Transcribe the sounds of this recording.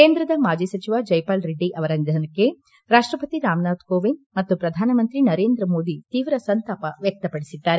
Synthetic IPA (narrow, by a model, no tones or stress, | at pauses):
keːnd̪ɾɐd̪ɐmaːd͡ʒiːsɐt͡ʃiʋaːd͡ʒɐjpaːlɾeɖːiʔɐʋɐɾɐnd̪ʱɐnɐkːe | ɾaːʂʈɾɐpɐt̪iɾaːmnaːt̪koːʋiɳɖmɐt̪ːupɾɐd̪ʱaːnɐmɐnt̪ɾinɐɾeːnd̪ɾɐmoːd̪it̪iːʋɾɐsɐnt̪aːpɐʋjɐk̚t̪ɐpɐɽisid̪ːaːɾe